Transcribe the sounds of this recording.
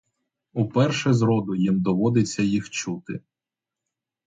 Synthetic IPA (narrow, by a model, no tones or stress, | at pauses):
upɛrʃɛzɾɔd̪ʊjimd̪ɔʋɔd̪et͡sʲːɐjixt͡ʃut̪ɪ̰